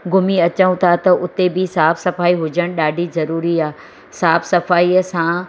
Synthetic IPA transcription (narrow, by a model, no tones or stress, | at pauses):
ɡʊmiɐt͡ɕəʊ̃t̪ʰat̪ɐʔʊt̪ebɪsaːfsɐfaːiɦʊd͡ʑəɽ̃ɗaːɖʱizɐɾuːɾiaː | saːfsɐfaːiəsã